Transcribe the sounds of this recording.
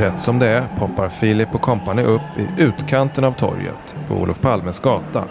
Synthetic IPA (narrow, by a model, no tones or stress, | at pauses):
ɾɛt̪ːsɔmd̪ɛæɾpʰɔpːaɾfiːlɪpːɔkʰɔmpanəʔɵpːɪʔʉ̟ːt̪kʰant̪ənavt̪ʰɔ̰ɾjə̰t̪pʰɔ̰ṵːlɔfpʰalmənsɡɑːt̪a̰